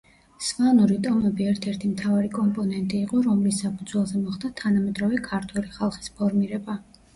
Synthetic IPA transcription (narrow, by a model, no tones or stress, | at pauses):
svanuɾit̪ʼɔmɛbiɛɾt̪ʰɛɾt̪ʰimt̪ʰavaɾikʼɔmpʼɔnɛnt̪ʼiːqʼɔɾɔmlisapʰud̪zwɛlˠzɛmɔχd̪at̪ʰanamɛd̪ɾɔvɛkʰaɾt̪ʰwɛliχalˠχi̥spʰɔɾmiɾɛba